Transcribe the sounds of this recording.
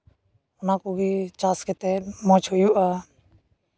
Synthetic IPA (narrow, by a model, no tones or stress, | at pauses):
ʊnãːkoːbʱiːt͡ʃaːsket̪emõːt͡ʃʰojuːʔaː